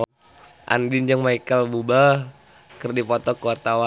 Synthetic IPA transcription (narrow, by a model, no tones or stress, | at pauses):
ʔa̰ndind͡ʒəŋmaikəlbuba | kərdipɔt̪ɔkəwart̪awa